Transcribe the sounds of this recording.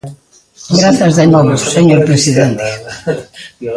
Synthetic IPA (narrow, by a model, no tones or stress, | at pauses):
ɡɾaθɐzðenɔβʊsseɲoɾpɾesiðent̪ɪ̥